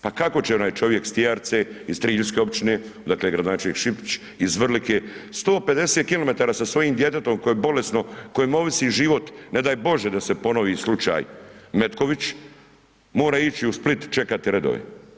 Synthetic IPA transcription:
pakako̞t͡ɕeo̞naːjt͡ʃo̞ʋje̞kst̪iaɾt̪seist̪ɾiːʎuskeo̞pt͡ʃine | d̪akleːɡɾad̪onaːt͡ʃelʲniːkʃipt͡ɕ | izʋr̩likeːst̪o̞ːpe̞d̪e̞set̪̚kilo̞me̞t̪aːɾaːsasʋo̞jiːmd̪je̞t̪et̪o̞mko̞jebo̞le̞sno̞kojemoʋisiːʒiʋo̞t̪ne̞d̪aːjbo̞ʒjed̪ase̞po̞no̞ʋiːslˠut͡ʃa̰ːjme̞t̪ko̞ʋit͡ɕ | mo̞ːɾait͡ɕiusplit̪t͡ʃe̞kat̪iɾed̪o̰ʋḛ

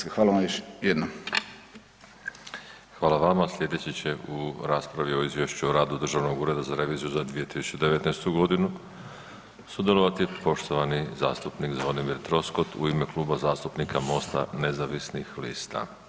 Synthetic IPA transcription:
xʋaːlaʋamjoʃjed̪no | xʋaːlˠaʋamaslʲʎʲje̞d̪e̞t͡ɕet͡ɕe̞ʔuɾaːspɾaʋio̞izʋje̞ʃt͡ɕuoɾaːd̪ud̪ɾr̩ʒaʋno̞ɡuːɾe̞d̪azaɾe̞ʋiːzijuzad̪ʋije̞t̪isu̥t͡ɕed̪e̞ʋe̞t̪nejst̪uɡo̞d̪inu | sud̪jelˠo̞ʋat̪ipo̞ʃt̪o̞ʋaniza̰ːst̪upnikzʋod̪imiɾt̪ɾo̞sko̞t̪ṵime̞klˠuːbazaːst̪upnikamo̞st̪a̰ne̞zaʋisnixlḭːst̪a̰

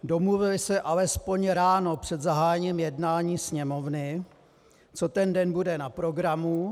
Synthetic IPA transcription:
do̞mluvɪlɪsɛʔalɛspo̞ɲɾaːno̞pr̝̥ɛd̪zaɦaːjɲiːmjɛdnaːɲiːsɲɛmovnɪ | t͡so̞t̪ɛndɛnbudɛnapɾo̞ɡɾamu

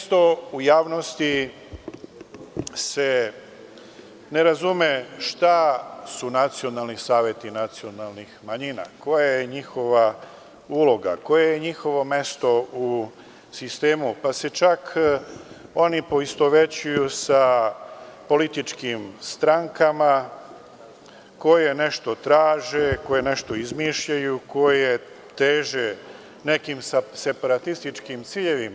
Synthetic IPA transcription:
st̪o̞ujaːʋnost̪i | se | ne̞ɾazume̞ʃt̪asunat̪sio̞nalˠnisaːʋje̞t̪inat̪sio̞nalˠnixmaɲina̰ko̞jajeɲixo̞ʋa | ulˠo̞ɡa̰ko̞jejeɲixo̞ʋo̞me̞st̪o̞u | sist̪e̞ːmupase̞t͡ʃakʰ | o̞nipo̞ist̪o̞ʋet͡ɕujusa | po̞lit̪it͡ʃkimst̪ɾaŋkama | ko̞jene̞ʃt̪o̞t̪ɾaːʒeko̞je̞ne̞ʃt̪o̞izmiːʃʎajuko̞jje | t̪eːʒe | ne̞kimsase̞paɾat̪ist̪it͡ʃkimt̪siːʎe̞ʋima

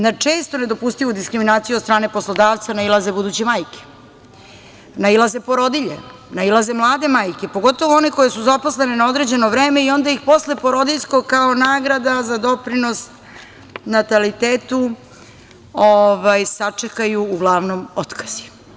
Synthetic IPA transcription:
nat͡ʂeːst̪o̞ne̞d̪o̞pust̪iʋud̪iskɾiminaːt̪sijuost̪ɾaːne̞po̞slˠo̞d̪aːʋt̪sanailˠazebud̪uːt͡ɕemaːjke̥ | nailˠaze̞po̞ɾo̞d̪iʎḛ | nailˠaze̞mlˠaːd̪e̞maːjke̞po̞ɡo̞t̪oʋoo̞neko̞jesuzapo̞sle̞nenao̞d̪ɾe̞d͡ʑe̞noʋɾe̞ːme̞io̞nd̪aixpo̞sle̞po̞ɾo̞d̪iʎsko̞ɡkao̞naːɡɾad̪azad̪o̞pɾino̞s | nat̪alit̪eːt̪u | oʋajsat͡ʂekajuːɡlˠaːʋnomot̪kʰḁz̥i̥

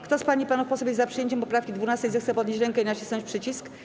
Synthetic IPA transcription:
kt̪ɔspaɲipanufpɔsɔbʲjezapʂɨjeɲt͡ɕɛmpɔpɾafkʲid̪vunast̪ɛjzɛxt̪sɛpɔd̪nɲeɕt͡ɕɾɛŋkɛinat͡ɕisnɔ̃ɲt͡ɕpʂɘt͡ɕisk

